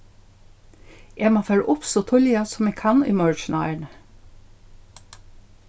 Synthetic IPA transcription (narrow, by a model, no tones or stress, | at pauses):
ʔeːmoːfeːɹʔʊpsot̪ʰɔlɪɑsɔmeːkʰɑnɪ̰møːɹt͡ʃnʔɑɪəɳ